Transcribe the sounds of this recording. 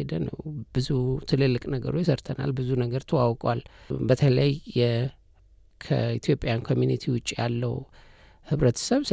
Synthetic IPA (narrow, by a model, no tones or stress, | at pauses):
ed̪ənə̰wb̥ɨzut̪ʰɨlɨlːɨkʼnəɡə̰ɾojɪsəɾt̪ʰəna̰lbɨzunəɡəɾt̪ʰəwawkʼwalbət̪ʰələjəjːɛ | kʰə̰it̪ʰjo̞pʼːjankʰo̞mjunit̪ʰiwʊt͡ʃʼːijalːəw | hɨβɾət̪ʰə̥səβs